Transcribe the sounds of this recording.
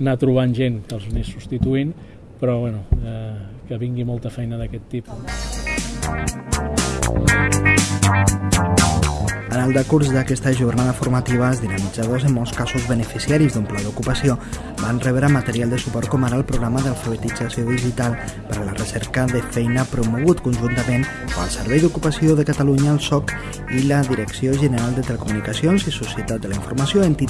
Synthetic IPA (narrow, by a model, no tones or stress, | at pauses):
nat̪ɾuβ̞anʒenkəlˠznesːust̪it̪uin | pɾɔβwɛnuɛkəβiŋɡimɔlˠt̪əfɛjnəðəkɛt̪ːipu | ənəlˠd̪əkuɾzðəkɛst̪əʒurnaðəfuɾmat̪iβ̞əlzðinəmid͡zaðozəmːɔlˠskazuzβənəfisiaɾizd̪umplaðukupəsio | banrɛβɾamət̪əɾialˠd̪əsupɔɾt̪̚kɔmaɾaəlˠpɾuɣɾaməðalˠfəβ̞ət̪id͡zasioðiʒit̪alˠpəɾlərəsɛɾkəðəfɛjnəpɾumuɣut̪kunʒunt̪əmẽn | ə̰lˠsəɾβɛjd̪ukupəsioðəkət̪aluɲəːlˠsɔk | iləðiɾəksioʒənəɾalˠd̪ət̪ələkumunikəsionzisusiət̪at̪̚d̪ələiɱfuɾmasjoent̪i